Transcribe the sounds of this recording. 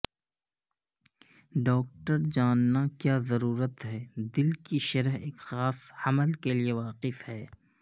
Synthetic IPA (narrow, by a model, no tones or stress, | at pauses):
ɖɔːk̚ʈəɾd͡ʒaːnːakjaːzɐɾuːɾət̪ɦɛːd̪ɪlkiʃɐɾəɦeːkxaːsɐməlkelieʋaːqɪfhɛː